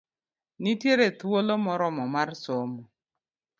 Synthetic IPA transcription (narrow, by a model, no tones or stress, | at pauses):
nitjeɾetuwolɔmɔɾɔmɔmaɾɪsɔmʊ